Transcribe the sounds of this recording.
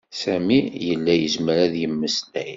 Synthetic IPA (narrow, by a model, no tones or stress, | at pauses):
sæmijəlːæjəzməɾæðjəmːəslæj